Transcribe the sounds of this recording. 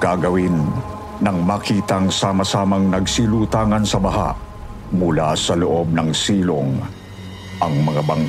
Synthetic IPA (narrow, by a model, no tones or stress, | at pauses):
kaɡɐwinː | ɐŋmɐkiːt̪ɐŋsaːmɐsaːmɐŋnɐɡsilut̪aːŋɐnsɐbɐɦa̰ʔ | mʊlasɐloʔo̞b̚nɐŋsiːloŋ | ʔɐŋmɐŋabɐŋ